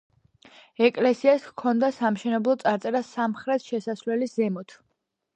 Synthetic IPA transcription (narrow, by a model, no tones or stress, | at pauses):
ɛkʼlɛsiaskʰɔnd̪asamʃɛnɛblˠɔt̪sʼaɾt̪sʼɛɾasamχɾɛt̪ʰʃɛsasvlɛlizɛmɔt̪ʰ